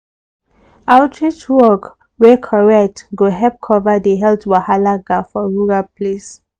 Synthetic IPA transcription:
altʰɹit͡ʃwɔɡ | wɛkʰɔɹɛtɡoɦɛp̚kʰɔvadeɦɛltwahalaɡafɔɹuɹapʰles

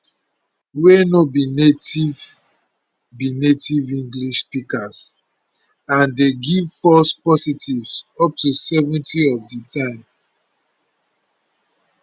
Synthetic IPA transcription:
wenobinetiv | binetivĩŋɡliʃspikas | ãndeɡivfɔspɔsitivsɔp̚tusɛvɛ̃ntiɔvditʰãɪ̃m

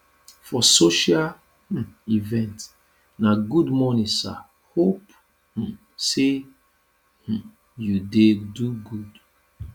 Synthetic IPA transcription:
fɔsoʃal | ivɛ̃nt | naɡudmɔnĩsa̰ | hop | h̩ | se | h̩ | judeduɡud

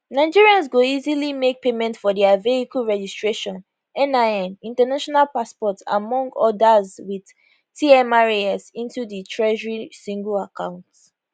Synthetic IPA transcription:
naɪd͡ʒiɹiãnzɡoizilimek̚pemɛ̃ntfɔdiaveikəɹɛd͡ʒistɹeʃɔ̃n | ɛ̃naɛ̃nĩntanaʃɔnalpaspɔtsa̰mɔ̃ŋɡɔdazwið̥ | tiɛ̃maɹiɛsĩntuðitʰɹɛʒəɹisĩŋɡəlakãʊ̃nts

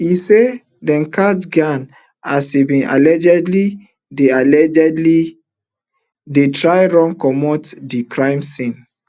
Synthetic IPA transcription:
ise | dɛ̃nkʰatɡãn | asibĩnʔa̰lɛd͡ʒɛdli | dealɛd͡ʒɛdli | detɹajɹɔ̃ŋkɔmɔtdikʰɹãɪ̃msĩn

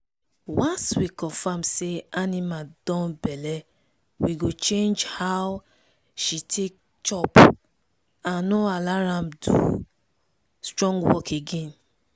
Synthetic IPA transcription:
wãnswikɔ̃fãmseanĩmadɔ̃bɛlɛ | wiɡot͡ʃẽnd͡ʒhaw | ʃitʰek̚ | t͡ʃɔp | ãnoalaɾãmdṵ | stɹɔ̃ŋɡwɔkeɡẽn

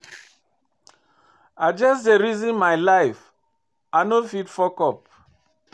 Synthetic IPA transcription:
ad͡ʒasdeɹizĩnmajlajf | anofitfɔkɔp̚

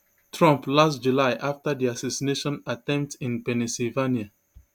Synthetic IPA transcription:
tʰɹɔ̃mplastd͡ʒulaɪʔaftədiasasineʃɔ̃natɛ̃mp̚tĩnpɛnisivania

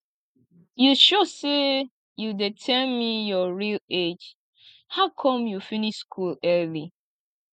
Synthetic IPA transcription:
juʃose | judɛtʰɛmijɔɹiled͡ʒ | haʊkʰɔ̃mjufiniʃskʰulɛli

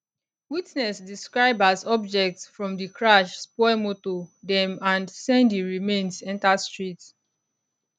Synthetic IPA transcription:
witnɛsdiskɹaɪbazɔbd͡ʒɛk̚tsfɹɔ̃mdikʰɹaʃspɔɪmotodɛ̃mãndsɛ̃ndiɹimẽnsɛ̃ntastɹit

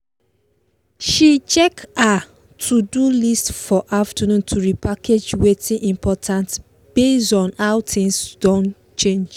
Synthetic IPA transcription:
ʃit͡ʃɛka | tʰudulistfɔʔaftənũntʰuɹipakʰed͡ʒwetʰĩnʔĩmpʰɔtʰãnt | b̥esɔ̃naʊtʰĩnsd̥ɔ̃n | t͡ʃẽnd͡ʒ

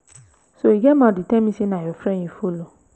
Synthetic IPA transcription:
soiɡɛmãːditɛmĩsinãjɔfɾɛj̃ĩfolo

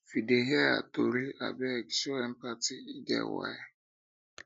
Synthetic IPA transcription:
fideɦjaa̰toɾia̰bɛɛksɔɛm̩patiidɛ̰wa̰e

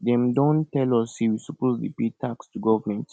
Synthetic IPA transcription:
dɛ̃mdɔ̃ntɛlɔshiwisupozdipetʰakstuɡɔvəmɛ̃nt

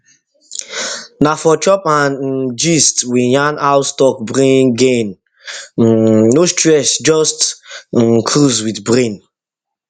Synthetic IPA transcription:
nafɔt͡ʃɔpãnd͡ʒistwijãnaʊstɔk̚bɾẽnɡẽn | nostɹɛsd͡ʒɔst̩ | kʰɾuzwitbɾẽn

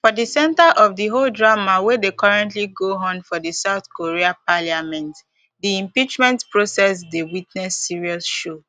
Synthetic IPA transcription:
fɔdisɛ̃ntaʔɔvdiɦoldɹamawedekɔɹɛ̃ntliɡoɦõmfɔdisaʊθkoɹiapaljamɛ̃nt | diĩmpit͡ʃmɛ̃ntpɹosɛsdewitnɛsːiɹiɔsʃo

